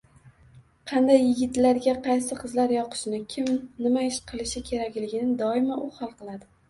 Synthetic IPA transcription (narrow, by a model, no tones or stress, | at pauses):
qʰɑnd̪ajːɪɡʲɪt̪laɾɡʲaqʰɑjsɪqʰɨzlaɾjɒqʰɨ̥ʃnɪkʲʰɪmnɪmaɪʃqʰɨlˠɪʃɪkʲʰe̞ɾakʲlɪɡʲɪnɪd̪ɒɪmaʔʊhɒlˠqɨlˠad̪ɪ